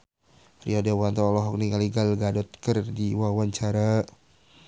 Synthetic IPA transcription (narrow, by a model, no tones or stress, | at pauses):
riɔdewant̪ɔlɔɦɔk̚niŋaliɡalɡadɔt̪̚kərdiwawaɲt͡ʃaɾa